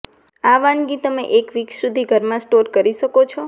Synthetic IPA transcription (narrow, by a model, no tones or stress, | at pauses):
aʋãɳɡit̪əmḛʔekʋiksud̪ʱiɡʱəɾmãsʈoɾkəɾiʃəkot͡ʃʰo